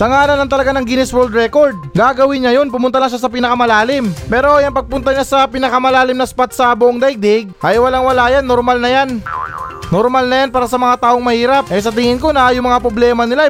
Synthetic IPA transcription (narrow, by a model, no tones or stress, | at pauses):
sɐŋaːlɐnɐŋt̪ɐlɐɡanɐŋɡɪnɪswɛld̪ɾɛkoɹd̪̚ɡaɡɐwɪnɲɐjo̞npʊmʊnt̪ɐlɐŋʃas̬ɐp̬ɪnɐkɐmɐlaːlɪmpɛːɾo̞jɐŋpɐɡ̚pʊnt̪ɐɲasɐpɪnɐkɐmɐlaːlɪmnɐspat̪̚sɐbʊʔoŋd̪ɐjɡ̚d̪ɪɡ̚ʔɐjwɐlaŋwɐlajanːoɾmalnɐjan | nːoɾmalnɐjanpaːɾɐsɐmɐŋat̪aːʔoŋmɐhiːɾɐp̚ʔɛs̬ɐt̪̬ɪŋɪnko̞nɐjʊŋmɐŋapɾoblɛːmɐnɪla